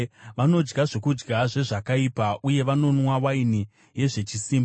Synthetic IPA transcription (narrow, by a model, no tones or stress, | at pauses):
ʋano̞d͡ʒɡaʐekud͡ʒɡaʐe̞ʐakaipaʔuje̞ʋano̞nwawaini | je̞ʐe̞t͡ʃisiːmb